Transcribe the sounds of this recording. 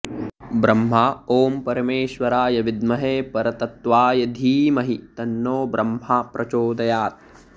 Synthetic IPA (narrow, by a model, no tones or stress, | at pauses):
bɾɐmɦaoːmpɐɾɐmeːʃʋɐɾaːjɐʋid̪mɐɦeːpɐɾɐt̪ɐt̪ʋaːjɐd̪ʱiːmɐɦit̪ɐnːoːbɾɐmɦapɾʔɐt͡ʃoːd̪ɐjaːt̪̚